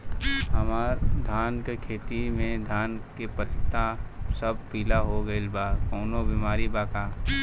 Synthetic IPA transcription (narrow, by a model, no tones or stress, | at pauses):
ɦɐmaːɾd̪ʱaːnkekʰeːt̪imẽd̪ʱaːnkepət̪t̪ːasəb̚piːlaɦoɡəelbaːkɔːnobiːmaːɾibaːkaː